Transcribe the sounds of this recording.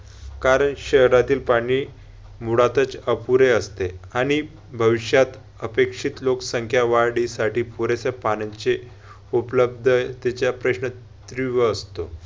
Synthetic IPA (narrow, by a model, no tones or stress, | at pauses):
kaɾəɳɕəɦɾat̪iːlpaɽ̃iː | muɽat̪ət͡səpuɾeəst̪eaɽ̃i | bʱəʋiɕjat̪ | əpekʂiːt̪loksəŋkʰjaʋaɾɽisaʈiːpuɾesepanat͡se | upləb̚d̪ʱət̪et͡ɕjapɾəɕɳə | t̪ɾiʋəːst̪o̰